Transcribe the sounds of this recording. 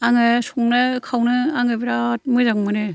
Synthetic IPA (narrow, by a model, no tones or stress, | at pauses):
aŋɯsuŋnɯkʰawnɯaŋɯbeɾat̚mɯzaŋmɯnɯ